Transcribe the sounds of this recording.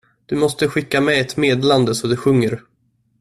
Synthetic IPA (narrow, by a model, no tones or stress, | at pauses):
d̪̥ɵmɔst̪əɧɪkːamɛɛt̪meːd̪land̪əsɔd̪ɵɧɵŋːəɾ